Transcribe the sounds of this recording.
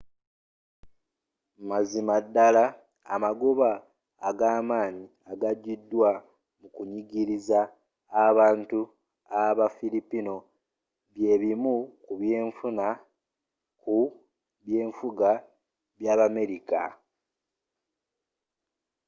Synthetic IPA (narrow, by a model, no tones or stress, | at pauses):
mazimadːala̰ː | maɡoβaː | ɡaːmaːni | aɡaɟidːwa | mukuɲiɟiɾizaː | βaːntu | aβafilipino̞ | βje̞ːβimukuβje̞ːɱfuna | ku | βje̞ːɱfuɡa | βjaːβame̞ɾika